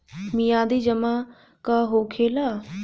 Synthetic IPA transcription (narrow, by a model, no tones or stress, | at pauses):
mijãːd̪iːd͡ʒəma | kaɦoːkʰeːlaː